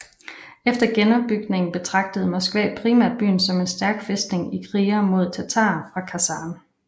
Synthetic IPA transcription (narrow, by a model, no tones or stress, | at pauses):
efd̥ɐɡ̥enɒ̽b̥ːyɡ̥ne̝ŋn̩b̥e̝t͡sʰʁɑ̈ɡ̥̚d̥əð̞̩ˠmɒ̽sɡ̥ʋɛ̰ːd̥̚pʰʁiːmæɐd̥̚b̥y̰ːn̩sɒ̽me̝nsd̥æɐɡ̥fesd̥ne̝ŋikʰʁiːɐmo̝ð̞ˠt͡sʰæt͡sʰɑ̰̈ːfʁɑ̈kʰæsɑ̈ːn